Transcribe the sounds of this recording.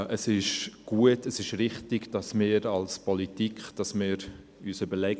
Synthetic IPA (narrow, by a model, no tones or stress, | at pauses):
ʔəsɪʃɡ̥uətəsɪʃɾɪχtɪɡd̥ɑsmɪːɾɑlspɔlitikχd̥ɑsmɪːɾ | yːsybəlɛɡ